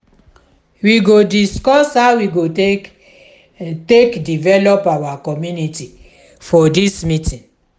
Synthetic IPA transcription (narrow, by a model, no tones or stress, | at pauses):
wiɡodiskɔshawiɡo | tekdivɛlɔpawakɔmjuniti | fɔdismitĩn